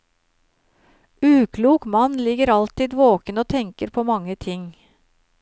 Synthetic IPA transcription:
ʉːkʰluːkmɑnlɪɡəɾɑlt̪ɪːd̪ʋoːkənoːt̪ʰɛŋkəɾpʰoːmɑŋːət̪ʰɪŋ

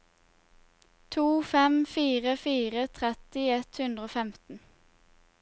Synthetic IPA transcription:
t̪ʰuːfɛmfiːʁəfiːʁət̪ʰʁɛt̪ɪɛt̪hʉnd̪ʁəoːfɛmt̪n̩

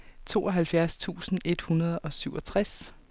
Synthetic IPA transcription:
t͡sʰo̝̰ːɒ̽ɦælfjæɐst͡sʰṵːsn̩e̝d̥hunɐð̞ˠɒ̽syʊɒ̽t͡sʰʁas

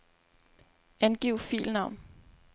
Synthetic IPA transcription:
ænɡ̥iʊfḭːlnɑ̈ʊ̰n

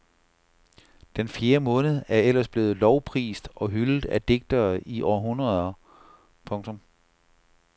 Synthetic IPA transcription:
d̥enfje̝ːɐmɔ̽ːnð̩ˠæɐel̰ɐsb̥le̝ːð̞̩ˠlɒʊpʰʁḭːsd̥ɒ̽ɦylð̩ˠæd̥e̝ɡ̥̚d̥ɐiʔɒːɐɦunʁɐðˠɐ | pʰɔ̽ŋt͡sʰɔ̽m

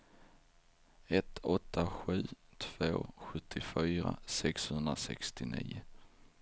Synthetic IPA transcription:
ɛt̪ɔt̪ʰːaɧʉ̟ːt̪ʰv̥oːɧɵt̪ʰːɪfyːɾasɛkshɵnd̪ɾasɛ̰kst̪ɪnḭː

